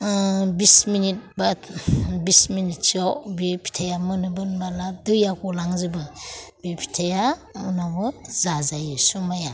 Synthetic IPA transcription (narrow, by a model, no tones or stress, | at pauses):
bisminit̚ba | bisminit̚t͡ʃɔbipʰi̥tʰajamɯnɯbɯnbaladujakɔlaŋzɯbɯbipʰi̥tʰajaunabɯzazajɯsumaja